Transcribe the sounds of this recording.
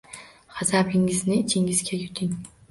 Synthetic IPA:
χazabɪŋɪznɪɪt͡ʃʰɪŋɪzɡʲajʊt̪ʰɪŋ

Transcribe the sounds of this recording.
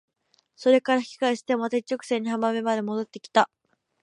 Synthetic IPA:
so̞ɾe̞kaɾaçkʲi̥kaiɕi̥t̪e̞mmat̪ait͡ɕːo̞kɯ̟̥sẽ̞ɲ̟ːiɦamame̞mad̪e̞mo̞d̪o̞t̪ːe̞kʲi̥t̪a

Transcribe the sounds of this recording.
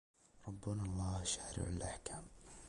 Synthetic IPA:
ɾˤɑbːʊnalˤːɑːhʃaːɾɪ̰ʕɪlʔaħkaːm

